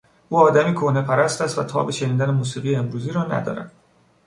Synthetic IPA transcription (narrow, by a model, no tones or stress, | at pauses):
ʔuːɒːd̪æmiːkʰohne̞pʰæɾæst̪æst̪væt̪ʰɒ̰ːbeʃe̞niːd̪æne̞muːsiːɣijeːmɾuːziːɾɒːnæ̰d̪ɒ̰ːɾæ̰d̪̥